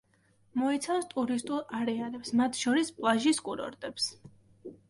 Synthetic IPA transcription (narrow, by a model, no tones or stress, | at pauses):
mɔɛt̪sʰafst̪ʼuɾist̪ʼulˠaɾɛalɛpsmat̪ʰʃɔɾispʼlˠaʒiskʼuɾɔ̰ɾt̪ʼɛps